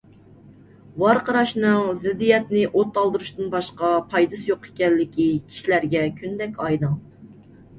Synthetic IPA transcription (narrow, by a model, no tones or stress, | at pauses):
wɑɾqɑɾɑʃnɨŋzɪd̪ːijɛt̪nɪʔot̪ːɑlˠd̪ɨɾuʃt̪ɨnbɑʃqɑpʰɑjd̪ɨsjoqe̥kʲɛnlːɪkʲikʲʰi̥ʃilæɾɡʲɛkʲʰynd̪ɛkʲɑjd̪ɨŋ